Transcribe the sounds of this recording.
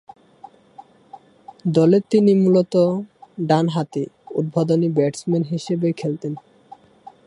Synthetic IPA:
d̪ɔlet̪inimulot̪oɖanɦat̪iṵd̪̚bʱod̪onibɛʈsmenɦiʃebekʰelt̪en

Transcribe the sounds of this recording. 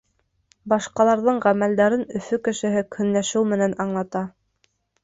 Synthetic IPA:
bɑʃqɑlˠɑɾðɤɴʁæmæld̪æɾɘnɵ̆fɵkɘ̆ʃɘ̆ɦɘkʰɵ̆nlæʃɘwmɘ̆nænɑɴlˠɑt̪ɑ

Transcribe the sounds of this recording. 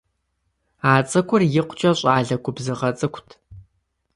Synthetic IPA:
aːt͡sʼɨkʷʰʊrjɪqʷt͡ʃʼɐɕʼaːɮɐkʷʊbzɨʁɐt͡sʼɨkʷtʰ

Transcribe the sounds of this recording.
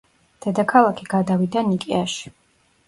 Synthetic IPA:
d̪̥ɛd̪akʰalˠakʰiɡ̥ad̪avid̪anikʼɛaʃi̥

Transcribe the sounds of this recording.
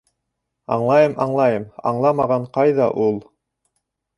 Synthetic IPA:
ɑ̰ɴlˠɑjɤmʔɑɴlˠɑjɤmɑ̰ɴlˠɑmɑʁɑɴqɑjðɑʔulˠ

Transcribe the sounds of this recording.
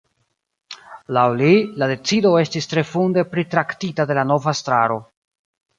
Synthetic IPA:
lawlilade̞t͡sido̞e̞stistɾe̞funde̞pɾitɾaktitade̞lano̞vastɾaɾo̞

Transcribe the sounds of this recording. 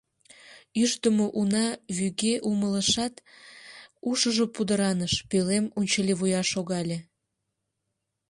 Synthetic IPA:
yʃt̪əmoʔunɑβyɣeʔumələʃɑt̪ | uʃəʒopud̪əɾɑnəʃpølemunʲt͡ɕəlʲeβujɑʃoɣɑlʲe

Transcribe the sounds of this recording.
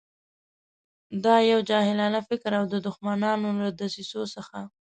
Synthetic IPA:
d̪ɑjawd͡ʒɑhɪlɑnafɪkɾawd̪əd̪ʊxmanɑnolad̪asisosəxa

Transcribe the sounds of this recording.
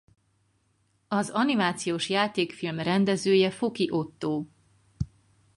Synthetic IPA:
ɒzɒnimaːt̪sijoːʃjaːt̪eːkfilmrɛnd̪ɛzøːjɛfo̞kiʔo̞t̪ːoː

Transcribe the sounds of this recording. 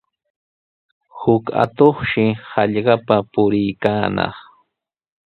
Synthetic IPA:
hʊka̰t̪oχʃɪhɑʎɢɑpapʊɾɪjkaːnɑ̰χ

